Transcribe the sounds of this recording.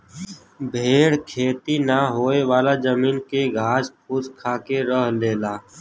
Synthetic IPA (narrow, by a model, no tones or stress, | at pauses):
bʱeːɽkʰeːt̪inaɦoːeʋaːlazəmiːnkeɡʱaːd͡ʒpʰʊskʰaːkeɾəɦleːlaː